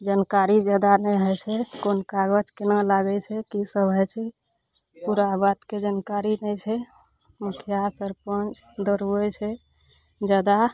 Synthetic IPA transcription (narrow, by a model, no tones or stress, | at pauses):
d͡ʒənkaɾid͡ʒəd̪anɛjɦəjt͡ʃʰɛkonkaɡəd͡ʒkenalaɡɛt͡ʃʰɛkisəbʱəjt͡ʃʰɛ | puɾabat̪ked͡ʒankaɾinəjt͡ʃʰɛ | mukʰjasəɾpə̃nt͡ʃ | d̪əɾuɛt͡ʃʰɛ | d͡ʒəd̪a